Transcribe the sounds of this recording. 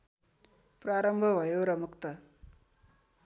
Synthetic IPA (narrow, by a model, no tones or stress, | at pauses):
pɾaɾʌmbʱʌʋʱʌjoɾʌmukt̪ʌ